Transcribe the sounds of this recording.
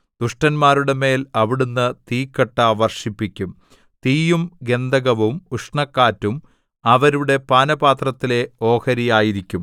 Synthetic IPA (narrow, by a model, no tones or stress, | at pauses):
d̪̥uʂʈɐnmaːɾuɽe̞me̞ːlɐʋiɽunːɨt̪iːkːɐʈːaʋɐrʂipːikʲːum | t̪iːjumɡe̞nd̪ɐɣɐʋumuʂɳɐkːaːtːum | ɐʋɐɾuɽe̞paːnɐbaːt̪rɐt̪ːile̞o̞ːkɐɾijaːjiɾikʲːum